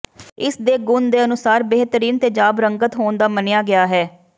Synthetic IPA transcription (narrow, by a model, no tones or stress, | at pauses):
ɪsd̪eːɡʊnd̪eːənʊsaːɾbeɦt̪əɾiːnt̪eːd͡ʒaːbɾəŋɡət̪ɦoːnd̪aːmənɪjaːɡɪaːɦɛː